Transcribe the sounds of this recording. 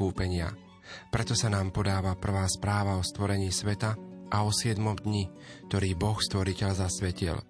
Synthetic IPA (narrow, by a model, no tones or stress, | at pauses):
uːpɛɲɪa̰ | pɾɛt̪ɔsanaːmpɔd̪aːʋapr̩ʋaːspɾaːʋaɔst̪ʋɔɾɛɲiːsʋɛt̪aʔaɔsɪɛd̪mɔmd̪ɲi | k̚t̪ɔɾiːbɔxst̪ʋɔɾicɛʎzasʋɛcḭl